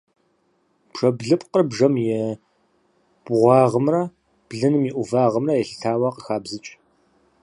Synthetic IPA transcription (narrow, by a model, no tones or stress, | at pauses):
bʂɐbɮɨpʼqərbʐɐmjɛ | b̥ʁʷɑːʁəmrɐ | b̥ɮɨnɨmiʔʷʊvaːʁəmrɐjɛɬɨtʰaːwɐqəxaːbzɨt͡ʃʼ